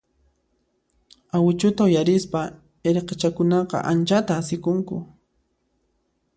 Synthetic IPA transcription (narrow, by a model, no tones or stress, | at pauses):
awɪt͡ʃʊt̪aʊjaɾɪspa | eɾqet͡ʃakʊnɑqɑ̰ʔant͡ʃat̪aːsɪkʊŋkʊ̰